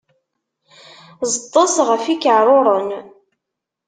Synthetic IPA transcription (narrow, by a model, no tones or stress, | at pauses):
zət̪ˤːɑsʁəfikəʕɾˤoɾˤən